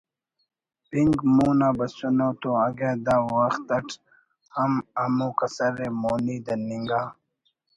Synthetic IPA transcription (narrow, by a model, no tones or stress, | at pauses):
piŋɡmuːnaːbɐsunoːt̪oɐɡeːd̪aːwɐxt̪ɐʈʰ | hɐmɐmuːkɐsɐɾeːmoːniːd̪ɐniŋɡaː